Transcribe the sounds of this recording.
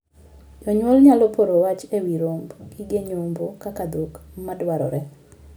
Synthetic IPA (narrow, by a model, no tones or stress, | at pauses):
d͡ʒɔɲwɔlɲalɔpoɾowat͡ʃewiɾombɡiɡeɲombokakad̪okmadwaɾɔ̰ɾɛ